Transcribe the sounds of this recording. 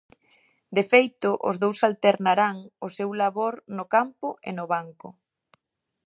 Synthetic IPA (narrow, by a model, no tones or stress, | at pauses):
d̪efejt̪ʊʔo̰zðowsalt̪eɾnaɾaŋʊsewlaβoɾnʊkampʊʔḛnʊβaŋkʊ